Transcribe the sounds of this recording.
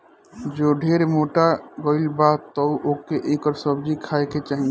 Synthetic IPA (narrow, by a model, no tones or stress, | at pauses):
d͡ʒoːɖʱeːɾemoːʈaɡɔɪlbat̪ɔuʔoːkeʔeːkɔɾsəbd͡ʒikʰaːeket͡ʃaːɦĩŋ